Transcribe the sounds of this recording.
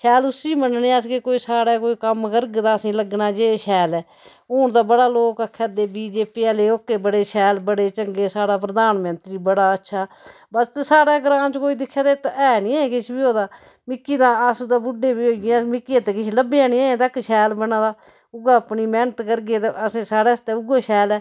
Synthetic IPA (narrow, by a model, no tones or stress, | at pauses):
ʃʰɛːlʊsiːmənneːəskeːkoːiːsaːɽaːkoːiːkəmkəɾɡd̪aːəsĩːləɡnaːd͡ʒeːʃʰɛːlɛː | oːɳd̪aːbəɽaːloːkəkʰːɛːd̪eːbiːd͡ʒeːpiːaːleːoːkːeːbəɽeːʃʰɛːlbəɽeːt͡ʃəŋɡeːsaːɽaːpɾəd̪aːnmənt̪ɾiːbəɽaːətːʃʰaː | bəst̪saːɽaːɡɾãːnt͡ʃkoːiːd̪ɪkʰːjaːd̪et̪ɛːniːɛ̃ːkɪt͡ʃʰbiːoːd̪aː | mɪkːiːd̪ãːəsd̪aːbʊɖeːbiːɦoːɡãːmɪkːiat̪eːkɪʃʰləbeaːnĩːɛːẽːt̪əkʃɛːlbənãːd̪aː | ʊɡaːpniːmɛːnət̪kəɾɡeːt̪əsĩːsaːɽeːst̪eːʊɡaːʃɛːlɛː